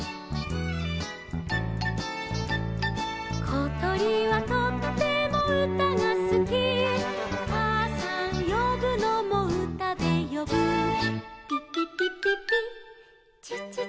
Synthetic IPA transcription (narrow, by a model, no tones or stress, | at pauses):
kʰot̪oɾʲiβat̪ot̪t̪e̞moɯ̟t̪aŋasɨɡʲi | asãjobɯ̟nomoɯ̟t̪ad̪e̞jobɯ